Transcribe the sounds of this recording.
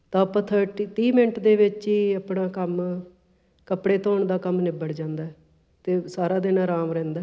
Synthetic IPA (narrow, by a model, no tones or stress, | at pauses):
t̪ãːpət̪ʰəʈiʈiːmɪɳʈd̪eːʋɪt͡ʃiːəpɳaːkəm | kəpɽeːt̪oːɳd̪aːkəmnɪbəɽd͡ʒãːnd̪aːɛ | t̪eːsaːɾaːd̪ɪnãːɾaːmɾɛ̃ːnd̪aː